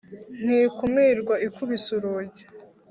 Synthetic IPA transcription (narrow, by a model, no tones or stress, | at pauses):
n̥hiːkumiɾɡwaikuβisuɾoɟe